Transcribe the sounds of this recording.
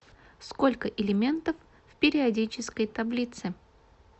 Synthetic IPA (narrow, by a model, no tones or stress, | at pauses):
sko̞lʲkəʔɪlʲɪmʲe̞nt̪əf | fpʲɪɾʲɪɐdʲit͡ɕɪskəjt̪ɐblʲit̪sɨ